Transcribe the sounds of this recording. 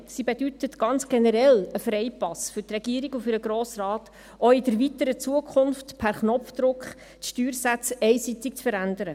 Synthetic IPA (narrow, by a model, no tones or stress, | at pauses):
sibed̥ytətɡ̥ɑnt͡sɡ̥enɛɾɛləfɾɛɪpɑsfʏɾtrɛɡiːəɾiɡufʏɾəɡɾoːsrɑːt | ɔɪdəɾvitəɾət͡suəkʰχʊnftpʰæɾχnɔfd̥̪ɾʊkχ | tʃtyːɾsæt͡sɛjsitɪk̚t͡sfəɾænd̪əɾə